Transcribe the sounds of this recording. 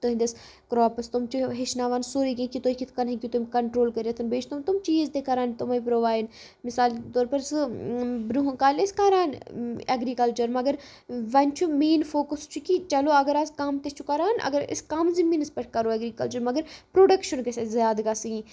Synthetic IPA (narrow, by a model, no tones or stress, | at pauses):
t̪oɦind̪ɐs | kɾɔːpɐst̪umt͡ʃʰuɦeʃnaːʋaːnsoɾikĩkit̪oikit̪ʰkɐnɦĩkit̪umʲkɐɳʈɾoːlkɐɾɐt̪ʰɐnbeːt͡ʃʰt̪umt̪ʊmt͡ʃizt̪ekɐɾaːnt̪umɐipɾoːʋaːjn | mɪsaːlt̪ɔːɾpɐɾsɨbɾuɦukaːlɪskaɾaːneɡɾiːkɐlt͡ʃəɾmɐɡəɾ | ʋɐnʲt͡ʃʰumeːnfʰoːkəst͡ʃʰukit͡ʃɐloɐɡəɾɐskaːmt̪et͡ʃʰukɐɾaːnʔɐ̰ɡəɾɪ̰skaːmzimiːnɐspɐʈʰkɐɾoːɐɡɾiːkɐlt͡ʃəɾmɐɡəɾpɾoːɖɐkʃɐnkesezjaːd̪ɡaːsiĩ